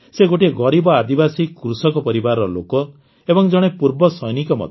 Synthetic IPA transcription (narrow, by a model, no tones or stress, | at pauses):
seɡoʈieɡɔɾibɔad̪ibasikɾusɔkɔpɔɾibaɾɔɔlo̰kɔ | ebɔŋd͡ʒɔɽ̃epuɾbɔsɔjnikɔmɔ̰d̪ʱ